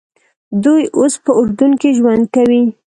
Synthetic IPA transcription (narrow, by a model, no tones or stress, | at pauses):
d̪ujospəʊɾd̪uŋkiʒwand̪̚kawi